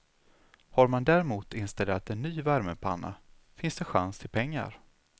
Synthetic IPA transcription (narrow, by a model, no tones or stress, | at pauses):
haɾmand̪æɾɛmuːt̪ɪnst̪ɛlːat̪ɛnːyːvæɾməpʰanːa̰ | fɪnsd̪̥ɛɧa̰nst̪ʰɪlpʰɛŋːa̰ɾ